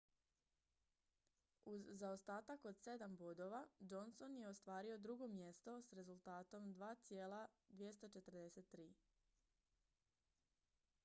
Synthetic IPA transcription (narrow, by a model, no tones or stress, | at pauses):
uzːaost̪aːt̪ako̞d̪se̞d̪ambo̞d̪o̞ʋad͡ʒo̞nso̞nje̞o̞st̪ʋaːɾio̞d̪ɾuɡo̞mje̞st̪o̞sɾe̞zulˠt̪aːt̪o̞md̪ʋaːt̪sjeːla | d̪ʋje̞st̪ot͡ʃe̞t̪r̩d̪ese̞t̪ːɾiː